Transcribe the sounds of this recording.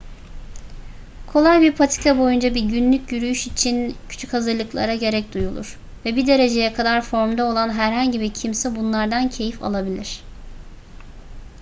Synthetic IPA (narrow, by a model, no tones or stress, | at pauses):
kʰo̞lˠajbiɾpʰat̪ʰi̥kʰabo̞jund͡ʒabiɾɟynlʲycjyɾyjyʃit͡ʃʰincʰy̥t͡ʃʰychazɯɾlˠɯklˠa̰ɾaɟe̞ɾɛc̚d̪ujulˠṵɾ̥ | vɛbid̪e̞ɾe̞d͡ʒe̞jɛkʰad̪aɾfo̞ɾmd̪ao̞lˠanɦæɾɦaɲɟibiɾcʰimsɛbunlˠaɾd̪ancʰe̞jifa̰lˠabilʲiɾ̝̥